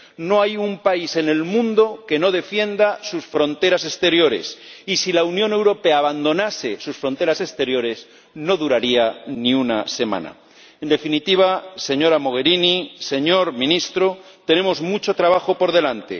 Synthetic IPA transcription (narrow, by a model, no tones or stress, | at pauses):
no̞ajumpaise̞ne̞lmũnd̪o̞ke̞no̞ðe̞fje̞nd̪asusfɾõ̞nt̪e̞ɾase̞st̪e̞ɾjo̞ɾe̞̰sisilaunjo̞ne̞wɾo̞pe̞aːβand̪o̞nase̞susfɾo̞nt̪e̞ɾase̞st̪e̞ɾjo̞ɾe̞z | no̞ðuɾaɾianiunase̞mã̰na̰ | end̪e̞finit̪iβ̞ase̞ɲo̞ɾamo̞ɣ̞e̞ɾinise̞ɲo̞ɾmĩnist̪ɾot̪e̞ne̞mo̞zmut͡ʃo̞t̪ɾaβ̞axopo̞ɾðe̞lant̪e̞̰